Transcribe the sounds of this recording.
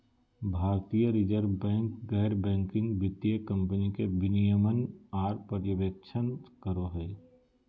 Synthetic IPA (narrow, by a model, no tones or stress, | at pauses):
bʱaːɾt̪ijəɾid͡ʒəɾbɛ̃ːŋkɡɛːɾbɛ̃ːŋkɪ̃ŋɡʋɪt̪jəkɐ̃mpənikebɪnijəmənaːɾpəɾjəʋək̚t͡ʃʰənt̪kəɾoɦɛː